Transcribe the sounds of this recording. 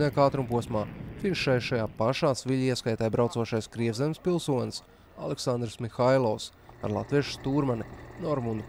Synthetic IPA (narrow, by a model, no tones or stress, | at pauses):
nɛjkaːt̪ɾumpuɔsmaːfinʃʃajʃajaːpaʃaːsviʎʲiɛskajt̪ɛːjbɾawt̪uɔʃajskɾiɛvzɛmspilˠsuɔns | a̰lˠɛksand̪ɾsmixajlˠɔws | a̰ɾlˠa̰t̪viɛʃst̪uːɾmaninɔɾmund̪